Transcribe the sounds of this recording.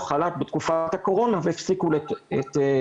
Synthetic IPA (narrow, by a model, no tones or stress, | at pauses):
χalat̪̚bet̪kufat̪hako̞ʁo̞naveːfsikuleet̪